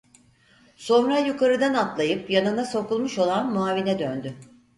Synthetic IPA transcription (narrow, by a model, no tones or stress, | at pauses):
so̞nɾajukʰaɾɯd̪anat̪lˠajɯpjanɯnaso̞kulˠmuʃo̞lˠanmuaːvinɛd̪ønd̪y